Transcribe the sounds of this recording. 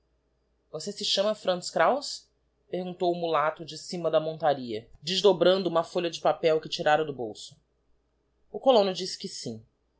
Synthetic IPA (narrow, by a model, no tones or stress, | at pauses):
vosesɪʃɐ̃mɐfɾɐ̃nskɾaws | pehɡũnt̪owʊmulat̪ʊd͡ʒɪsĩmɐd̪ɐmõnt̪aɾiɐd͡ʒɪʒd̪obɾɐ̃nd̪ʊũmɐfoʎʲɐd͡ʒɪpapɛwkɪt͡ʃiɾaɾɐd̪ʊbowsʊ̥ | ʊkolõnʊd͡ʒisɪ̥kɪsĩ